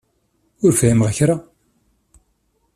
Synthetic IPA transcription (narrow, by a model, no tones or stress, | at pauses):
ʊɾfimʁçɾa